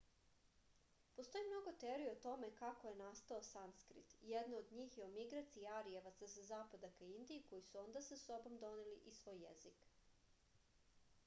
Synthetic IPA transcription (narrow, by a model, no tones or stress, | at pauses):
post̪o̞jimno̞ɡo̞t̪eɾiot̪o̞me̞kako̞je̞nast̪aosanskɾḭt̪jed̪nood̪ɲiːxjeumiɡɾat̪siːaɾieʋat̪sasazaːpad̪akaind̪iːko̞jisuo̞nd̪asaso̞bo̞md̪o̞neliʔisʋo̞ːjːḛzik